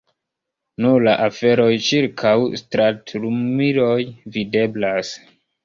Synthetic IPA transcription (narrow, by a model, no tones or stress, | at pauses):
nulaʔafe̞ɾo̞jt͡ʃiɾkʰawstɾatɾumiɾo̞jvide̞blas